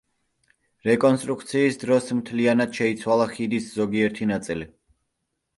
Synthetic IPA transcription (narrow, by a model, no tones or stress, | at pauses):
ɾɛkʼɔnst̪ʼɾuk̚ʰt̪sʰiːsd̪ɾɔsmt̪ʰlianad̪̥ʃɛit̪sʰwalˠaχid̪iszɔɡiɛɾt̪ʰinat̪sʼili